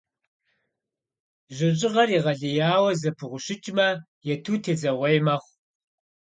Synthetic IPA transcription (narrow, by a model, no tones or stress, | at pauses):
ʒɪɕʼɪʁɐɾiːʁɐɮɨjaːwɐzɐpʰɨʁʷʊɕɪt͡ʃʼmɐ | jɛtʰuːtʰeːd͡zɐʁʷɐjmɐχʷ